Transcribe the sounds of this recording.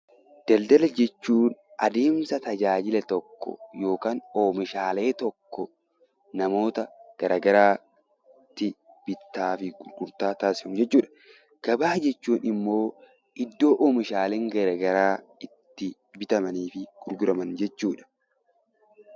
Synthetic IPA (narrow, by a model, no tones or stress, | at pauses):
d̪̥ɐld̪ɐlɐd͡ʒɛt͡ʃːuːnʔɐd̪e̞ːmsɐt̪ɐd͡ʒaːd͡ʒɪlɐt̪ɔkːɔ̰jo̞ːkaːnoːmɪʃaːle̞ːt̪ɔkːɔ | nɐmo̞ːt̪ɐɡ̥ɐɾɐɡɐɾaː | t̪ːɪ | b̥ɪt̪ːaːfɪɡʊɾɡʊɾt̪aːt̪aːsɪʊmd͡ʒɛt͡ʃːuːᶑɐ̥ | ɡ̥ɐbaːd͡ʒɛt͡ʃːuːnɪmːo̞ː | ʔɪd̪ːo̞ːʔoːmɪʃaːleːŋɡɐɾɐɡɐɾaːɪt̪ːɪ | bɪt̪ɐmɐniːfɪɡ̥ʊɾɡʊɾɐmɐnd͡ʒɛt͡ʃːuːᶑɐ̥